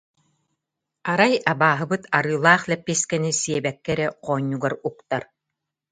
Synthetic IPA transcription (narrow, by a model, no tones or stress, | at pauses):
aɾajabaːɦɯ̆bɯt̪aɾɯːlˠaːχlɛpːiskɛnisiɛbɛkːɛɾɛqʰɔːɲːuɡaɾukt̪aɾ